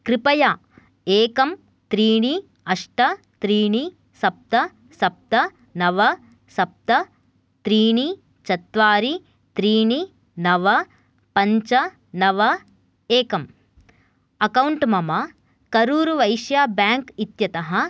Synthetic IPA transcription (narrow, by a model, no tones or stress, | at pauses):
kɾipɐjaː | eːkɐm | t̪ɾiːɳi | ɐʂʈɐt̪ɾiːɳi | sɐp̚t̪ɐ | sɐp̚t̪ɐ | nɐʋɐ | sɐp̚t̪ɐ | t̪ɾiːɳi | t͡ʃɐt̪ʋaːɾi | t̪ɾiːɳi | nɐʋɐ | pɐɲt͡ʃɐ | nɐʋɐ | eːkɐm | ɐkɐwɳʈmɐmɐ | kɐɾuːɾuʋɐjʃjaːbaːŋkit̪jɐt̪ɐɦɐ̆